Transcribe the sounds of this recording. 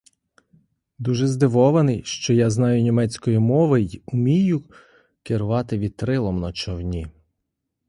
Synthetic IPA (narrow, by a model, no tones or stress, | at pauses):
d̪uʒɛzd̪ɪʋɔʋɐnɪjʃt͡ʃɔjaznɑjʊnʲimɛt͡sʲkɔjimɔʋɪʊmʲijʊ | kɪɾʊʋɑt̪ɪʋʲid̪̚t̪ɾɪlˠɔmnɔt͡ʃɔwnʲi